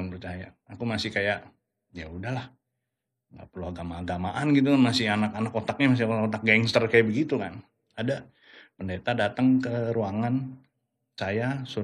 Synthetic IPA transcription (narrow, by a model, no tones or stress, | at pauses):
anpərt͡ʃaja̰ːkumasɪhkajaʔ | jaudahlah | ŋɡa̰ʔpərluaɡamaːɡamaʔanɡit̪̬ukanmasɪanakanakːot̪ak̚ɲamas̬ɪkːot̪ak̚ɡɛŋst̪ərkajabəɡit̪ukan | ada | pəndet̪adat̪əŋkəɾuaŋan | sajasu